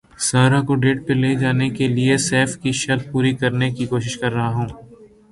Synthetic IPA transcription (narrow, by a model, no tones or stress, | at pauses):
saːɾakoɖeːʈ̚peleːd͡ʒaːnekeliesɛːfkiʃɐɾd̪̚puːɾikɐɾnekikoːʃɪʃkɐɾːɐɦaɦũː